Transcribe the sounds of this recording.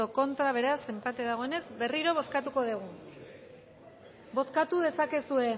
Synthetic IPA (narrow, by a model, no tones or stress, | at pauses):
oko̞nt̪ɾaβ̞e̞ɾase̞mpat̪e̞ðaɣ̞o̞e̞ne̞zbe̞riɾo̞β̞o̞skat̪uko̞ðeɣ̞u | bo̞skat̪uðe̞sake̞sue̞